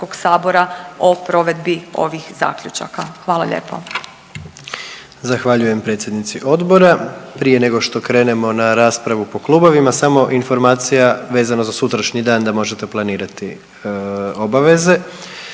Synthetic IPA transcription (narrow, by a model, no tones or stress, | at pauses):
oɡsaːbo̞ɾaopɾo̞ʋe̞d̪bio̞̰ʋixza̰ːkʎʲut͡ʃa̰kaxʋaːlˠa̰ʎḛːpʰo | zaxʋaʎuje̞mpɾe̞ːt̪sjed̪nit̪siʔo̞d̪bo̞ɾapɾije̞ne̞ɡo̞ʃt̪o̞kɾe̞ːne̞mo̞naɾaːspɾaʋupo̞klˠuːbo̞ʋimasamo̞ʔinfo̞ɾmaːt̪sijaʋe̞ːzanozasut̪ɾaʃɲid̪aːnd̪amo̞ʒe̞t̪e̞plˠaniːɾat̪i | o̞baʋe̞ze̞